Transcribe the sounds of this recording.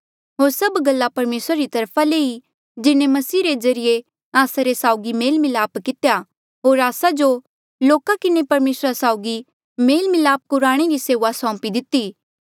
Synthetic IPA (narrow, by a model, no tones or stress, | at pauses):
ɦoːɾsɐbɡɐlːapɐɾmeːsɾaɾit̪ɐɾpʰalei | d͡ʒɪnẽmɐsiːɾezɐɾɪje | aːsaɾesaːʊɡimeːlmɪlaːpkɪt̪ja | ɦoːɾaːsad͡ʒo | loːkakɪnepɐɾmeːsɾasaːʊɡi | meːlmɪlaːp̚kʊɾaːɽ̃eɾiseːʋasɔ̃ːpid̪ɪt̪i